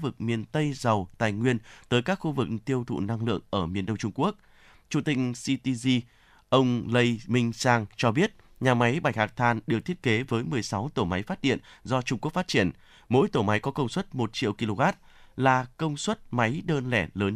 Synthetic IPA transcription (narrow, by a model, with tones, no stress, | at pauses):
vɨ˨˩k̚mi˨˩ənt̪ə˧jzə˨˩wt̪a̰ː˨˩jŋwi˧ənt̪əː˨˦jkaː˦˥k̚xu˧vɨ˨˩k̚t̪i˧əwt̪ʰṵ˧˨na˧ŋlɨ̰˧˨əŋʔəː˧˩mi˨˩ənɗə˧wŋ͡mt͡ɕʊ˧ŋ͡mku˦˥ək̚ | t͡ɕu˧˩t̪ï˧ŋ̟si˧t̪i˧zi˧ | ʔə˧wŋ͡mlə˧jmï˧ŋ̟saː˧ŋt͡ɕɔ˧ɓi˦˥ət̚ | ɲaː˨˩ma˨˦jɓaː˧˩jhaː˨˩k̚t̪ʰaː˧˩nɗɨ˨˩ək̚t̪ʰi˦˥ət̚ke˨˦vəː˨˦jmɨ˨˩əjsa˨˦wt̪o˧˩ma˨˦jfaː˦˥t̚ɗḭ˧˨ənzɔ˧t͡ɕʊ˧ŋ͡mku˦˥ək̚fa˦˥t̚t͡ɕi˧˩ən | mo̰˧˥jt̪o˧˩ma˨˦jkɔ˨˦kə˧wŋ͡mswə˦˥t̚mo˨˩t̚t͡ɕḭ˧˨wki˧lo˧ɣaː˦˥t̚laː˨˩kə˧wŋ͡mswə˦˥t̚ma˨˦jɗəː˧nlɛ̰˧˩ləː˨˦n